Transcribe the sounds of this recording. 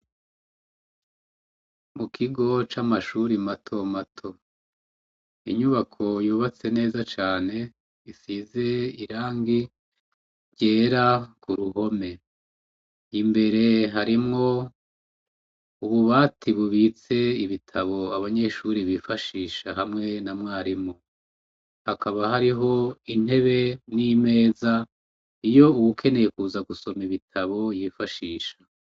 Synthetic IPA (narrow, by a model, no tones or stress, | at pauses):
mukʰiɡo̞t͡ʃamaʃuɾimatʰo̞matʰo̞ | ḭɲuβakʰo̞juːβat͡se̞ne̞ːzat͡ʃaːne̞ | isize̞iɾaːŋɡi | ɾɟe̞ːɾakuɾuɦo̞me̞ | imbe̞ɾe̞ɦaɾimŋo̞ | uβuβaːtʰiβuβit͡se̞iβitʰaβo̞aβaɲe̞ʃuɾiβiːfaʃiːʃaɦamŋe̞namŋaːɾimu | hakʰaβaɦaɾiɦo̞in̥he̞βe̞nime̞ːza | ijo̞uɡukʰe̞ne̞jekuːzaɡuso̞miβitʰaβo̞jiːfaʃiːʃḁ